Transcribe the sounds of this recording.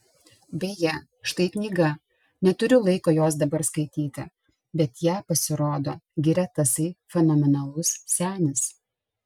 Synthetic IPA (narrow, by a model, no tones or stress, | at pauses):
bʲɛjɛ | ʃt̪ɐɪknʲiːɡɐ | nʲɛt̪ʊɾʲʊlˠɐɪkoːjoːs̬d̪ɐbɐɾskɐɪt̪ʲiːt̪ʲɪ̰ | bʲɛt̪jæːpɐsʲɪɾoːd̪oːɡʲɪɾʲɛt̪ɐsɐɪfʲɛnoɔmʲɛnɐlˠʊssʲæːnʲɪs